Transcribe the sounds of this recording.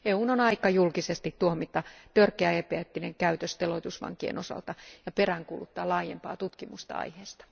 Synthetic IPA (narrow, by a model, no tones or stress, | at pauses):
euːnonɑikɑjulkisest̪it̪t̪uomit̪ːˑɑt̪ørkeæepeæt̪ːineŋkæyt̪øst̪eloit̪usʋɑ̰ŋkiḛnʔosɑ̰lt̪ɑjɑperæŋkuːlut̪ːɑːlɑːjempɑːt̪ut̪kimust̪ɑ̰ɑ̰iheːst̪ɑ̥